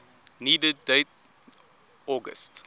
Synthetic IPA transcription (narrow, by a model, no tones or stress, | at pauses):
niːdədeɪt̚ | ɔːɡə̰st